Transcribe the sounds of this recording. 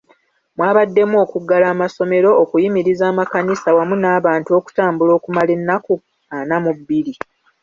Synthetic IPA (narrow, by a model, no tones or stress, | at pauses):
mwaːβadːe̞muo̞ːkuɡalaːmaso̞me̞ɾo̞ːkujimiɾizaːmakanisawamunaːβaːntuo̞ku̥taːmbulo̞ːkumale̞nːaku | anamubːiɾi